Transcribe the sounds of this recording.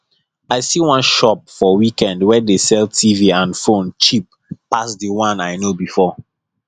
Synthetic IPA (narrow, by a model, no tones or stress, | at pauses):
aɪsiwãnʃɔp̚fɔwikɛ̃ndwɛdesɛltʰiviãnfõnt͡ʃip̚ː | asdiwãnaɪnobifɔ